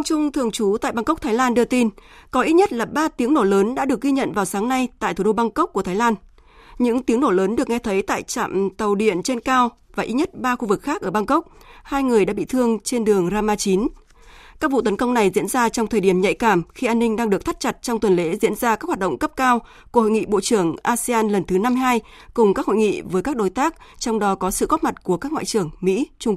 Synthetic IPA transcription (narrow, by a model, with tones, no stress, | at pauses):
ŋt͡ɕʊ˧ŋ͡mt̪ʰɨ˧əŋt͡ɕu˨˦t̪a̰ː˧˨jɓa˧ŋkə˦˥k͡p̚t̪ʰaː˨˦jlaː˧nɗɨ˧t̪i˧nkɔ˨˦ʔi˦˥t̚ɲə˦˥t̚laː˨˩ɓaː˧t̪i˨˦əŋno˧˩ləː˨˦nɗa̰ː˧˥ɗɨ˨˩ək̚ɣi˧ɲə̰˧˨nvaː˨˩wsaː˨˦ŋna˧jt̪a̰ː˧˨t̪u˨˩ɗo˧ɓa˧ŋkə˦˥k͡p̚ku˧˩ət̪ʰːlaː˧n | ɲɨ̰˧˥ŋt̪i˨˦əŋno˧˩ləː˨˦nɗɨ˨˩əkŋɛ˧t̪ʰə˨˦jt̪a̰ː˧˨jt͡ɕa̰ː˧˨mt̪ə˨˩wɗḭ˧˨ənt͡ɕe˧nkaː˧w | vaː˨˩ʔi˦˥t̚ɲə˦˥t̚ɓaː˧xu˧vɨ˨˩k̚xaː˦˥k̚ʔəː˧˩ɓa˧ŋkə˦˥k͡p̚haː˧jŋɨ˨˩əjɗa̰ː˧˥ɓḭ˧˨t̪ʰɨ˧əŋt͡ɕe˧nɗɨ˨˩əŋzaː˧maː˧t͡ɕi˨˦n | kaː˦˥k̚vṵ˧˨t̪ə˨˦nkə˧wŋ͡mna˨˩jzḭ˧˥ənzaː˧t͡ɕɔ˧wŋ͡mt̪ʰəː˨˩jɗi˧˩əmɲa̰˧˨jkaː˧˩mxi˧ʔaː˧nːï˧ŋ̟ɗaː˧ŋɗɨ˨˩ək̚t̪ʰa˦˥t̚t͡ɕa˨˩t̚t͡ɕɔ˧wŋ͡mt̪wə˨˩nlḛ˧˥zḭ˧˥ənzaː˧ka˦˥k̚wa˨˩t̚ɗə̰˧˨ŋ͡mkə˦˥p̚kaː˧w | ku˧˩ho̰˧˨jŋḭ˧˨ɓo̰˧˨t͡ɕɨ˧˩əŋʔaː˧si˧aː˧nlə˨˩nt̪ʰɨ˨˦na˧mɦaː˧j | kʊ˨˩ŋ͡mka˦˥kho̰˧˨jŋḭ˧˨vəː˨˦jkaː˦˥k̚ɗo˨˦jt̪aː˦˥k̚t͡ɕɔ˧wŋ͡mɗɔ˨˦kɔ˨˦sɨ̰˧˨ɣo˦˥t̚ma˨˩t̚ku˧˩əkaː˦˥k̚w̰ːt͡ɕɨ˨˩əŋmḭ˧˥t͡ɕʊ˧ŋ͡m